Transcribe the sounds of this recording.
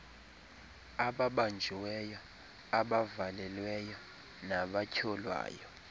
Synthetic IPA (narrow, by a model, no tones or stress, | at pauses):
aɓaɓand͡ʒʱiwɛjɔ | aɓavalɛlwɛjɔ | naɓacʰɔlwa̰ːjɔ